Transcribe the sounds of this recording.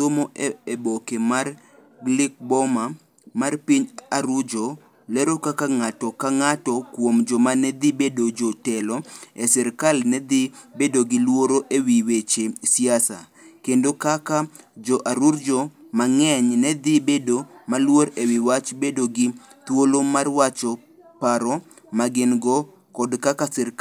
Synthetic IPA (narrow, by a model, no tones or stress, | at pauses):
t̪omoeebokemar | lɪk̚bɔma | marpiɲaɾud͡ʒo | lɛɾokakaŋatɔkaŋatɔkwomd͡ʒɔmanɛd̪ibedod͡ʒɔtɛlɔɛsɛɾkalnɛd̪ibedoɡɪlwoɾoʔewiwet͡ʃesiasa̰ | kendokakad͡ʒɔʔaɾuɾd͡ʒɔmaŋɛɲnɛd̪ɪbedomalwoɾewɪwat͡ʃbedoɡɪ | t̪wolomarwat͡ʃɔ | paɾɔ | maɡɪnɡɔ | kɔdkakasɛɾk